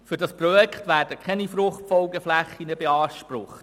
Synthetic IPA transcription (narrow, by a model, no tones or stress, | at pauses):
fɵɾdɑspɾɔjɛkχtʋæːɾd̥əkʰɛnifɾʊχtfɔʊɡəflæχːinəbeɑːʃpɾʊχt